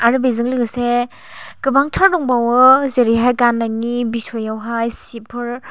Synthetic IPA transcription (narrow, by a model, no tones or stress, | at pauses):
aɾɯbejzɯŋlɯɡɯse | kɯbaŋtʰaɾdɔŋbawɯzeɾiɦajkanːajnibisʰɔjawɦajsipʰɯɾ